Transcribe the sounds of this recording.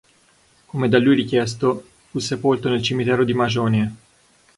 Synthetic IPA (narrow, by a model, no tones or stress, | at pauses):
komed̪alːujɾik̟jɛs̬t̪o | fusːepolt̪onelt͡ʃimit̪ɛːɾod̪imad͡ʒɔːnie